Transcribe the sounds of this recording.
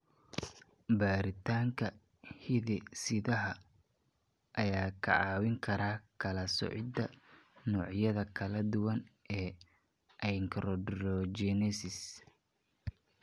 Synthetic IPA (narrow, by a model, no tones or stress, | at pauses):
baːɾɪt̪ʰaːŋkʰɐ | hɪðɛsɪðɐɦɐ | ʔɐjaːkʰɐ̰ʕɑːwɪŋkʰɐɾaːkʰɐlɐsɔ̰ʕɪd̪ɐnɔːʕjɐðɐkʰɐlɐd̪ʊwɐnɛː | ʔɐjŋkʰɾɔɖɾɔd͡ʒɛnɛsɪs